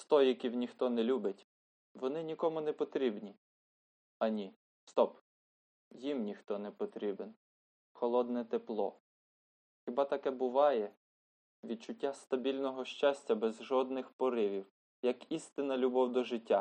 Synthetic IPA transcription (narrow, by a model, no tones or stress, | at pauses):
st̪ɔjikʲiwnʲixt̪ɔnɛlʲubɪtʲ | ʋɔnɪnʲikɔmʊnɛpɔt̪ɾʲibnʲi | ɐnʲi | st̪ɔp | jimnʲixt̪ɔnɛpɔt̪ɾʲiben | xɔlˠɔd̪nɛt̪eplˠɔ̰ | xʲɪbɑt̪ɐkɛbʊʋɑjɛ | ʋʲid̪̚t͡ʃʊtʲːast̪ɐbʲilʲnɔɦɔʃt͡ʃɑsʲtʲːɐbɛzʒɔd̪nɪxpɔɾɪʋʲiw | jɐkist̪ɪnɐlʲʊbɔwd̪ɔʒɪtʲːa